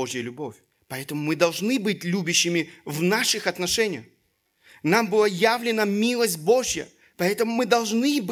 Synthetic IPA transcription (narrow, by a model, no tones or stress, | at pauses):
oʐjəlʲʊbo̞fʲ | pɐɛt̪əmʊmɨd̪ɐlˠʐnɨbɨt̚ʲlʲubʲɪɕːɪmʲɪvnaʂɨxɐt̪nɐʂɛnʲɪjəx | nambɨlˠajavlʲɪnəmʲilˠəsʲt̚ʲbo̞ʐjə̰ | pɐɛt̪əmʊmɨd̪ɐlˠʐnɨb